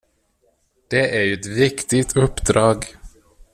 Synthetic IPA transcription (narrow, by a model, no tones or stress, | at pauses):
d̪̥ɛʔæɾjɵɛt̪vɪkt̪ɪt̪ʰɵpːd̪ɾɑːɡ